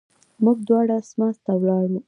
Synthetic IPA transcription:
muɡd̪wɑɽasmɑst̪awlɑɽu

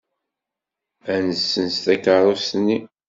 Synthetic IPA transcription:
ænəsːənst̪ækəɾˤustnːi

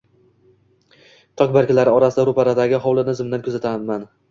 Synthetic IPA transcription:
t̪ʰɒkʲbaɾkʲɪlaɾɪɒɾasɪd̪aɾʊpaɾad̪aɡʲɪɦɒwlˠɪnɪzɪmd̪ankʰɵzat̪ʰaman

